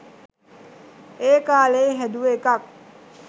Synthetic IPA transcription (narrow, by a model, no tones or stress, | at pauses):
eːkaːleːɦæd̪uʋeːkɐk̚